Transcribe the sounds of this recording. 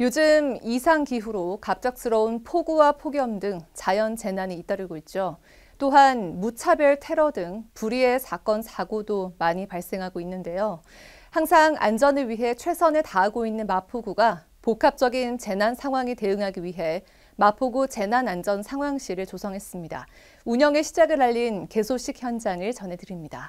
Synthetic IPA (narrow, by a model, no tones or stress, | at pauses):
jod͡ʑɯmisʰaŋkiɸuɾokap̚t͡ɕ͈ak̚s͈ɯɾʌunpʰoɡuwapʰoɡjʌmdɯŋt͡ɕajʌnt͡ɕe̞naɲiːt͈ʌɾɯɭɡoit̚t͡ɕ͈o | t͈oɦanmut͡ɕʰabjʌɭtʰe̞ɾʌdɯŋpuɾie̞sʰak͈ʌnsʰaɡudomaɲipaɭs͈e̞ŋɦaɡoinːɯnde̞jo | haŋsʰaŋa̰nd͡ʑʌnɯɭɥiɦe̞t͡ɕʰwe̞sʰʌnetaaɡoinːɯnmapʰuɡuɡa | pokʰap̚t͡ɕ͈ʌɡint͡ɕe̞nansʰaŋɦwaŋite̞ɯŋɦaɡiɥiɦe̞ | mapʰuɡut͡ɕe̞nanand͡ʑʌnsʰaŋɦwaŋɕ͈iɾɯɭt͡ɕosʰʌŋɦe̞s͈ɯmɲida̰ | uɲʌŋe̞ɕʰid͡ʑaɡɯɾaʎːinke̞sʰoɕ͈ʰik̚çjʌnd͡ʑaŋɯɭt͡ɕʌne̞dɯɾimɲida̰